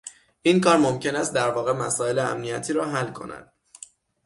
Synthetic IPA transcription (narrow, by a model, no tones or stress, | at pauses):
ʔinkɒːɾmo̞mcʰe̞næst̪̚d̪æɾvɒːɣe̞mæsɒːe̞leæ̰mnijæt̪ʰiːɾɒːɦælːkʰo̞̰næ̰d̪̥